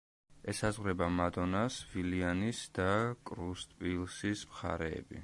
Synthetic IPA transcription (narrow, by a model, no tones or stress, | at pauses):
ɛsazʁɾɛbamad̪ɔnasvilianisd̪̥akʼɾust̪ʼpʼilˠsismχa̰ɾɛ̰ːbḭ